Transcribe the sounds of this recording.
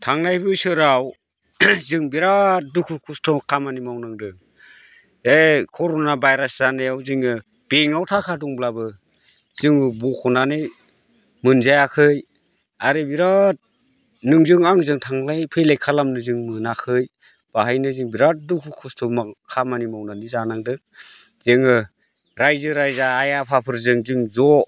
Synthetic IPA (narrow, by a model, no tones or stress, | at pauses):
tʰaŋnajbɯsɯɾaw | zɯŋbiɾat̚dukʰukʰustʰɔmakʰamanimawnaŋdɯ | ekʰɔɾonabajɾaszanejawzɯŋɯ | b̥eŋawtʰakʰaduŋblabɯ | z̥ɯŋbukʰɔnanɯj | mɯnzajakʰɯj | aɾibiɾat̚ | nɯŋzɯŋaŋzɯŋtʰaŋlajpʰelajkʰalamnɯzɯŋmɯnakʰɯj | b̥aɦajnɯzɯŋbiɾat̚dukʰukʰɔstʰɔmakʰamanimawnanizanaŋdɯ | zɯŋɯ | ɾajzɯɾajzaːjapʰapʰɯɾzɯŋzɯŋzɔ